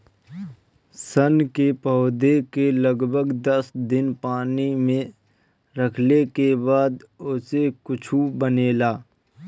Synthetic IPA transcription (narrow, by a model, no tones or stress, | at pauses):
sənkepɔʊd̪ekeləɡbʱəɡd̪əsd̪ɪnpaːnimẽ | ɾəkʰlekebaːd̪ʊsekʊt͡ʃʰubəneːlaː